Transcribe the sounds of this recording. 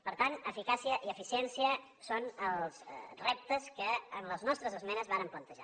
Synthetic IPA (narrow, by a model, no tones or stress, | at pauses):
pəɾt̪anəfikasiəʔiəfisiɛnsiə | sonəlˠzrɛp̚t̪əskəːnləznɔst̪ɾəzəzmɛnəzβaɾəmplənt̪əʒa̰